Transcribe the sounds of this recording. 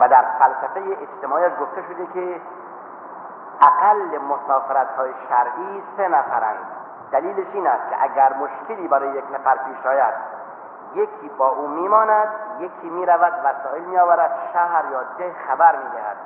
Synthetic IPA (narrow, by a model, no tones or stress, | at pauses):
væd̪æɾfælsæfejeʔed͡ʒt̪emɒːjæʃɡoft̪eʃod̪ekʰe | ʔæɡælːemosɒːfeɾæt̪hɒːjeʃæɾʔiːsenæfæɾæ̰nd̪ | d̪æliːleʃiːnæst̪̚kʰḛʔæɡæɾmoʃkʰeliːbæɾɔːjejeknæfæɾpʰiːʃɒːjæd̪ | jekʰiːbɒːʔuːmiːmɒːnæd̪jekʰːiːmiːɾævæd̪væsɒːelmijɒːvæɾæd̪̥ʃæhɾjɒːd̪ehxæbæɾmiːd̪ehæ̰d̪̥